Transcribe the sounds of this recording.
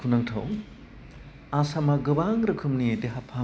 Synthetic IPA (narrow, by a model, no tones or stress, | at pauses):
kʰunaŋtʰaw | asamaɡɯbaŋɾɯkʰɯmnideɦapʰa